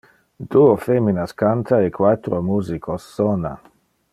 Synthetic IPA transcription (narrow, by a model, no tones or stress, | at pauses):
d̪uofeminaskant̪aekwat̪ɾomuzikʰosːɔna̰